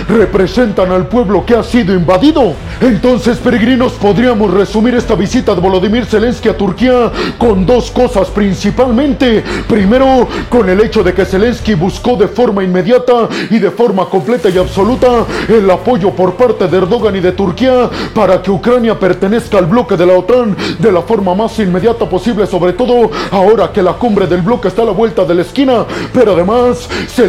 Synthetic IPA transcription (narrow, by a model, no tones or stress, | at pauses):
re̞pɾe̞se̞nt̪analpwe̞βlo̞keasiðoimbaðiðo̞ | e̞nt̪o̞nse̞spe̞ɾeɣɾino̞spo̞ðɾiamo̞sre̞sumiɾe̞st̪aβisit̪aðeβo̞lo̞ðimiɾse̞le̞nskiat̪uɾkiako̞nd̪o̞sko̞saspɾinsipalmẽ̞nt̪e̞pɾime̞ɾo̞ko̞ne̞le̞t͡ʃo̞ðe̞ke̞se̞le̞nskiβusko̞ðe̞fo̞ɾmainme̞ðjat̪aiðe̞fo̞ɾmako̞mple̞t̪ajaβso̞lut̪aelapo̞ʝo̞po̞ɾpaɾt̪eðeeɾðo̞ɣaniðe̞t̪uɾkiapaɾake̞ukɾanjape̞ɾt̪e̞ne̞skaːlblo̞ke̞ðe̞laot̪and̪e̞lafo̞ɾmamasinme̞ðjat̪aposiβle̞so̞βɾet̪o̞ðo̞ao̞ɾake̞lakumbɾe̞ðe̞lblo̞keːst̪alaβwe̞lt̪aðe̞laeskinape̞ɾoaðe̞masːe